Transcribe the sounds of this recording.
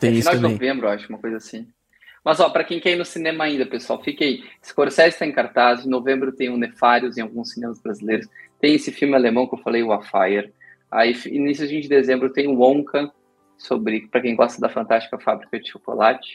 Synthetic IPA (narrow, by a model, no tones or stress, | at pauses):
t̪ẽinawd͡ʒɪnovẽmbɾʊaʒũmɐkojzɐasĩ | mɐzɔpɾɐkẽj̃kɛjnʊsinẽmɐaĩd̪ɐpesuawfikaisɪ̥koɾsɛzɪst̪aẽkaɾt̪az̃novẽmbɾʊt̪ẽj̃ʊ̃nefaɾjʊzẽawɡũsːinẽmɐzbɾazilejɾʊst̪ẽj̃esɪfiwmɪalemɐ̃w̃kɪewfalejʊafajeɾ | a̰ifḭnnisjʊvĩd͡ʒɪd̪ezẽmbɾʊt̪ẽj̃ʊ̃õkɐ̃ | sobɾɪpɾɐkẽj̃ɡɔst̪ɐd̪ɐfɐ̃nt̪ast͡ʃi̥kɐfabɾikɐd͡ʒɪʃoko̰lat͡ʃɪ̥